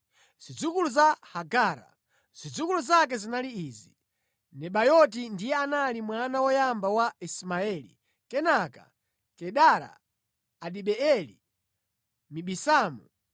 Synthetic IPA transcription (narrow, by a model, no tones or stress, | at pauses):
z̥id͡zukuluzahaɡaːɾa̰ | z̥id͡zukuluzak̬ɛzinaliizi | nɛɓajɔt̬indijɛanalimwanawɔjambawaismaɛlḭ | kɛnaka̰ | kɛɗaɾa̰ː | ɗiɓɛɛlḭ | miɓisaːmu